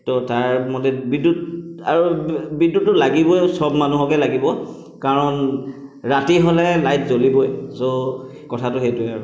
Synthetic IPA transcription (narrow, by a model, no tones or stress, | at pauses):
tɔtaɹmɔdɛbidudaɹubidːuʊlaɡibɔjsɔbmanuɦɔkɛlaɡibɔ | kaɹɔnɹatiɦolɛlajtzolibɔjzo | kɔtʰatʊxetʊɛ